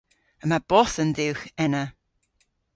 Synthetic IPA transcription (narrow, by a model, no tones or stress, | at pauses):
əmab̥ɔθənðɪwxɛnə